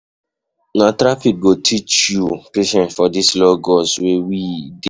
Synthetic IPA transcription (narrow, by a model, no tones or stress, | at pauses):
natɾafik̚ɡotʰit͡ʃjupeʃɛ̃ntfɔdislɔɡɔswewide